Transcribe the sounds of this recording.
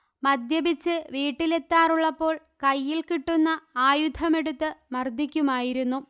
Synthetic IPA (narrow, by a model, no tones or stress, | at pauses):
mɐd̪ʱjɐbit͡ɕːɨʋiːʈːile̞t̪ːaːruɭːɐpːo̞ːɭ | kɐjːilkiʈːunːɐaːjud̪ʱɐme̞ɽut̪ːɨmɐrd̪ʱikʲːumaːjiɾunːu